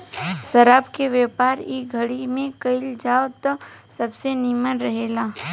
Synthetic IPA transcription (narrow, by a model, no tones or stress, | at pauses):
ʃɐɾaːbkeʋjɛːpaːɾiɡʱəɽimẽkɐɪld͡ʒaːot̪ɔsɐbsenimənɾɐɦeːlaː